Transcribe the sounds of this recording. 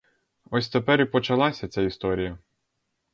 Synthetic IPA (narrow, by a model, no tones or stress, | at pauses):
ɔsʲt̪epɛɾipɔt͡ʃɐlˠɑsʲɐt͡sʲaist̪ɔɾʲijɐ